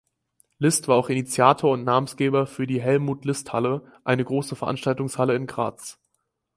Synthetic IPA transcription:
lɪstv̥aːaʊxinit͡sjaːtʰoːɐʊntnaːbəm̩nsɡ̥eːbɐfyːɐdiːɦɛlmuːtlɪsthalə | ʔaɪnəɡʁoːsəfɛɐʔa̰nʃtaltʊŋshaləɪnɡʁa̰ːt͡s

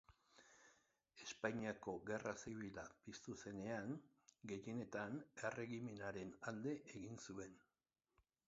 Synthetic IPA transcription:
e̞spaɲiako̞ɣe̞rasiβilapist̪use̞ne̞aŋ | ɡe̞je̞ne̞t̪ane̞re̞ɣime̞naɾe̞nald̪e̞ʔeɣinsue̞n

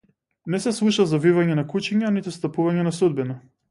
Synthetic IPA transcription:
nɛsɛslˠuʃazavivaɲɛnakut͡ʃiɲanit̪ɛst̪apuvaɲɛnasud̪̚bina

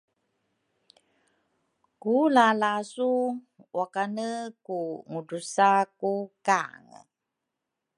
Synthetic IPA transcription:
kulalasu | wakanəkuŋudusakuka̰ŋə

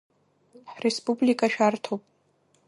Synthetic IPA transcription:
ħrespʼublikʼaʃᶣartʰowpʼ

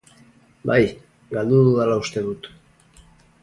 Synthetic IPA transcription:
baj | ɡald̪uðuðalaust̪e̞ðut̪

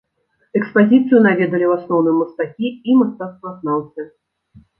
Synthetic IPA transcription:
ɛkspazʲit̪sɨjunavʲɛd̪ɐlʲiwasnɔwnɨjɛmɐst̪akʲiimast̪at̪st̪vɐːsnawsʲɐ

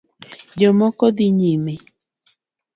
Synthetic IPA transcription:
d͡ʒɔmɔkɔd̪iɲime

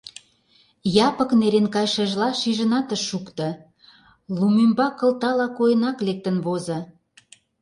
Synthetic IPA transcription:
jɑpə̆kneɾenkɑjʃeʒlɑʃiʒə̆nɑt̪əʃːukt̪ɤ̆ | lumymbɑkə̆lt̪ɑlɑkojənɑklek̚t̪ə̆nβozɤ̆

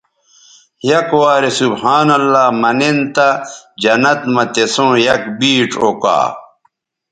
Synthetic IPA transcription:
jɐkwaːɾesubhaːnɐlːaːmɐnent̪ɐd͡ʑɐnɐt̪mɐt̪esõːjɐkbiːʈ͡ʂoka̰ː

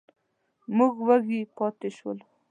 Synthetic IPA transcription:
muɡwaɡipɑt̪eʃwə̰l

